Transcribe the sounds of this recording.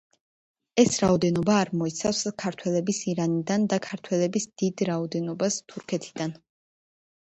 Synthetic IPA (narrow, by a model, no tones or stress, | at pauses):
ɛsɾaɔd̪ɛnɔbaːɾmɔit̪sʰafskʰaɾt̪ʰwɛlɛbisiɾanid̪and̪akʰaɾt̪ʰwɛlɛbisd̪̥id̪ɾaɔd̪ɛnɔbast̪ʰuɾkʰɛt̪ʰid̪an